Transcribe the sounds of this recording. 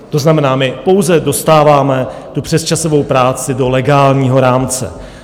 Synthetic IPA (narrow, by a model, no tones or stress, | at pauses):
t̪o̞znamɛnaːmɪpo̞wzɛdo̞st̪aːvaːmɛt̪upr̝̥ɛst͡ʃasovo̞wpɾaːt͡sɪdo̞lɛɡaːlɲiːɦo̞ɾaːmt͡sɛ̰